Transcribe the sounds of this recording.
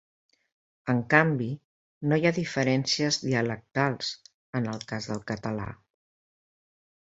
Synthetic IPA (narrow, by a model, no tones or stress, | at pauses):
əŋkambi | nojaðifəɾɛnsiəzðiələk̚t̪alˠs | ənəlˠkazðəlˠkət̪əla̰